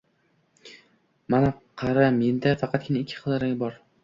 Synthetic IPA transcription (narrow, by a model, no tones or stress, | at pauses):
manaqʰɑɾame̞nd̪afɑqʰɑt̪̚kʲʰɪnaɪkʲʰːɪ̥χʰɨlˠd̪aɾaŋʲbɒɾ